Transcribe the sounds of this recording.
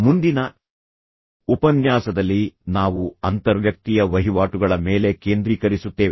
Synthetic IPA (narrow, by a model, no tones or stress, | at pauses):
mund̪inɐ | upɐnjaːsɐd̪ɐlːinaːʋuɐnt̪ɐɾʋjɐk̚t̪ijɐʋɐɦiʋaːʈuɡɐɭɐme̞ːle̞ke̞ːnd̪ɾiːkɐɾisut̪ːe̞ːʋe